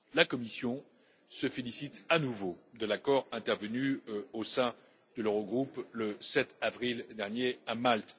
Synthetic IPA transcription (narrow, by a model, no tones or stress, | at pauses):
lakɔmisjɔ̃ | səfelisit̪anuvod̪əlakɔʁɛ̃t̪ɛʁvənyosɛ̃ | d̪̥ələʁɔɡʁupləsɛt̪avʁild̪ɛʁnjeamalt̪